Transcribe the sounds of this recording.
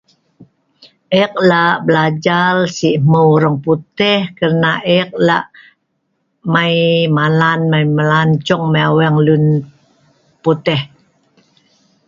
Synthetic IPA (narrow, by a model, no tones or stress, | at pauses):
ʔɛk̚laʔbəlad͡ʒalsiʔməuɾəŋput̪ɛhkərnaʔɛk̚la̰ʔ | majmalanmajməlant͡ʃɔŋmaawɛŋlun | put̪ɛh